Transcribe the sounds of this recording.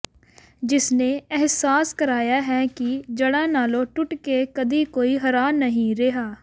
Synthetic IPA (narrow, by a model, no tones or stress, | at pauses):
d͡ʒɪsneːɛɦsaːskəɾaːjaːɦɛːkid͡ʒəɽãːnaːlõːʈʊʈkekəd̪iːkoːiɦəɾaːnəɦĩɾeɦaː